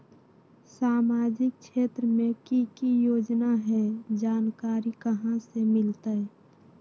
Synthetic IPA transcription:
saːmaːd͡ʒɪk̚ʃeːt̪ɾəmẽkikijoːd͡ʒnaɦɛd͡ʒaːnkaːɾikəɦãsemɪlt̪aɛ

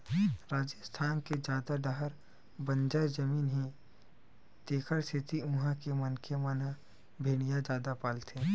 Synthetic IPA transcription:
ɾaːd͡ʒəst̪ʰaːnked͡ʒaːd̪aɖaɦəɾ | bə̃nd͡ʒaːjd͡ʒəmiːnɦĩ | t̪eːkʰəɾsʰɪt̪iʊɦãkemɐnkeməna | bʱeːɽ̃ijad͡ʒaːd̪apaːlt̪ʰeː

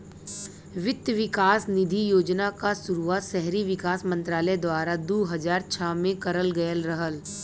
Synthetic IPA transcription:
ʋɪt̪jəʋɪkaːsnɪd̪ʱijoːd͡ʒnakasʊɾuaːt̪ʃɛɦɾiʋɪkaːsmɐ̃nt̪ɾaːləd̪waːɾad̪oːɦɐzaːɾt͡ʃʰaːmẽkɐɾəlɡɐjəlɾɐɦəl

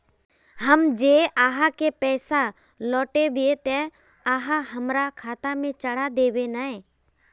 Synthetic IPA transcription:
ɦəmd͡ʒeːaːɦakepɛːsa | lɔːʈebiet̪e | aːɦaɦəmɾakʰaːt̪amẽt͡ʃəɽad̪eːwenae

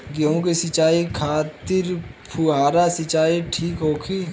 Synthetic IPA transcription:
ɡjõkesɪt͡ʃaːikʰaːt̪ɪɾpʰuaːɾasɪt͡ʃaːiʈʰiːkɦoːkʰiː

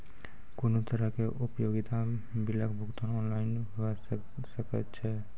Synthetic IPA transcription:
konot̪əɾəɦkeʔupjoɡit̪a | biləkbʱuɡt̪anɔnlaɪnɦ | səkət̪t͡ʃʰɛ

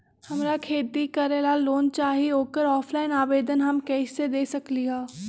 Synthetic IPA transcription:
hɐmɾakʰeːt̪ikɐɾeːlaloːnt͡ʃaːɦiɦoːkəɾɔːpʰlaːɪnaːbeːd̪ənɦɐmkɛːʃsed̪eːsɐkliaː

